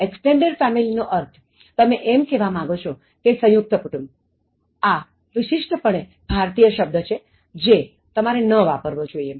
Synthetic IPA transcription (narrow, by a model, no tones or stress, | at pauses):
eksʈeɳɖeɖfɛmilinoʔəɾt̪ʰ | t̪əmẽʔemkeʋamãɡot͡ʃʰo | kesə̃juk̚t̪əpəʈʰum | a | ʋɪʃɪʂʈʰəpəɳ̃e | b̥ʱaɾt̪ijəʃəb̚d̪ʱət͡ʃʰe | d͡ʒe | t̪əmaɾenəʋapəɾʋod͡ʒoiem